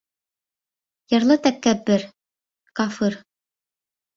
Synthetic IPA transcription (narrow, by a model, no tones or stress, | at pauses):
jɤ̆ɾlˠɤt̪ækːæbɘɾ | kɑfɨɾ